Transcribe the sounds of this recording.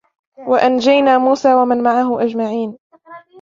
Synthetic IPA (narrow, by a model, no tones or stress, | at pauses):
waʔand͡ʒajnaːmuːsaːwamanmaʕaɦʊʔad͡ʒmaʕiːn